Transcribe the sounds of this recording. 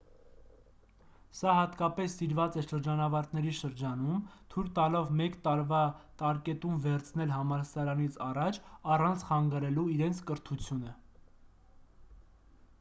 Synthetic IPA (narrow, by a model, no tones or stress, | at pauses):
sɑɦɑt̪kɑpɛsːiɾvɑt͡sɛʃəɾd͡ʒɑnɑvɑɾt̪nɛɾiʃəɾd͡ʒɑnumt̪ʰujɾt̪ɑlɔvmɛkt̪ɑɾvɑt̪ɑɾkɛt̪umvɛɾt͡sʰnɛlɦɑmɑɾsɑɾɑnit͡sʰɑrɑt͡ʃʰɑrɑnt͡sʰχɑŋɡɑɾɛluiɾɛnt͡sʰkəɾt̪ʰut͡sʰjunə